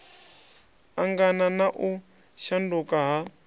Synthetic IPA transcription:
aŋɡananaʔu | ʃandukaɦa

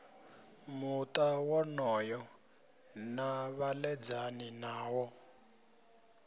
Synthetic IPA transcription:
mutawɔnɔjɔ | naβalɛd͡zaninaːwɔ

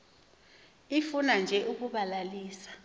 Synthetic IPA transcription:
ifunand͡ʒʱɛʔuk̬uɓalaliːsḁ

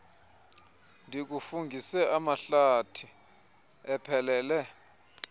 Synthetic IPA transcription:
ndʱik̬ufuŋɡʱisɛʔamaɬatʰi | ɛpʰɛlɛːlɛ

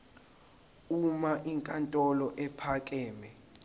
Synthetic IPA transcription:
umaʔiŋkʼantʼɔlɔʔɛpʰakʼɛːmɛ

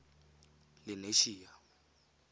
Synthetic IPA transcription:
lɪneʃiːa

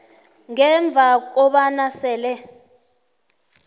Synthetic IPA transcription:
ŋɛɱb̪vʱak̬ɔɓanasɛːlɛ

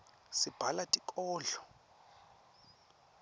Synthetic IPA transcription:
sib̥ʱalatʼikʼɔːɮɔ

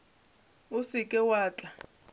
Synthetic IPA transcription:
ʊsɪkʼɛwaːt͡ɬʼa

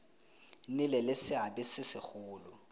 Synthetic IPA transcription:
nɪlɛlɪsɪabɪsɪsɪk͡xʰʊːlʊ

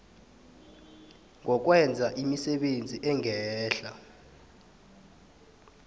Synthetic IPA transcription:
ŋʱɔk̬wɛnd͡zʱaʔimisɛɓend͡zʱiʔɛŋʱɛːɬa

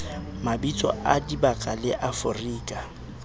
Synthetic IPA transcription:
mabit͡sʼɔ̰ʔadibakʼalɪʔafʊriːkʼa

